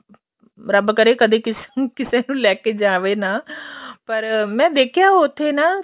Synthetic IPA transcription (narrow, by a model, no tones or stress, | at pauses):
ɾɐbkɐɾekɐd̪ʱekɪskɪsenũlɛːked͡ʒaːʋenaːpɐɾmɛ̃ːd̪eːkʰijaɦot̪ʰena